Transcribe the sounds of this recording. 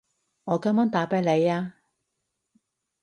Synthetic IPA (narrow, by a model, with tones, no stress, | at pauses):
ŋɔː˨˧kɐ˨˥maː˥ŋt̪aː˨˥peː˨˧˥le˨˧jaː˧